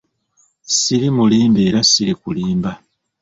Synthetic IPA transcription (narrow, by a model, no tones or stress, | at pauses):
siɾimuliːmbe̞ːɾasiɾikuliːmba